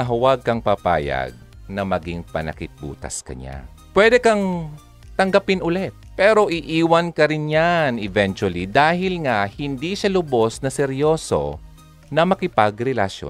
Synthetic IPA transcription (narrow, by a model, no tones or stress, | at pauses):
ɐɦɐwaɡ̚kɐŋpapa̰ːjɐ̰ɡ̚ | nɐmɐɡɪŋpɐ̰nɐ̰kɪt̪̚bṵːt̪ɐ̰skɐ̰ɲa̰ | pwɛːd̪ɛkɐŋ | t̪ɐŋɡɐpɪnʔʊlɛt̪̚pɛːɾo̞ʔɪʔiːwɐnkɐɾɪnjanɪvɛnt͡ʃʊɐlid̪aːhɪlŋahɪnd̪iʃalʊbo̞snɐsɛɾjo̞ːso̞̰ | nɐmɐkɪpɐɡɾɛlɐʃjo̰